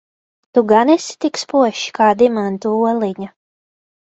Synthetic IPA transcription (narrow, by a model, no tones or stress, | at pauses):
t̪uɡanisi̥t̪ikspuɔʃi̥kaːd̪imant̪uuɔlˠiɲa